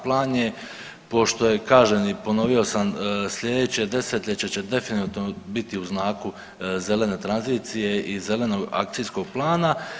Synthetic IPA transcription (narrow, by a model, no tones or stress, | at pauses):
plˠaːnje̞ | po̞ʃt̪o̞je̞kaːʒenipo̞no̞ʋio̞samsʎʲe̞d̪et͡ɕe̞d̪e̞set̪lʎʲet͡ɕet͡ɕe̞d̪e̞finut̪nobit̪iuznaːku | ze̞le̞ne̞ːt̪ɾanziːt̪sije̞ʔize̞le̞no̞ɡa̰kt̪sijsko̞ɡ̥̚plˠaːna